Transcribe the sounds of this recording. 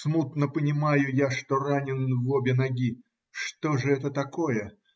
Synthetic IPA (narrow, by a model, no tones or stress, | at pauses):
smut̪nəpənʲɪmajʊjaʂt̪oranʲɪnvobʲɪnɐɡʲi | ʂt̪oʐɨɛt̪ət̪ɐkojə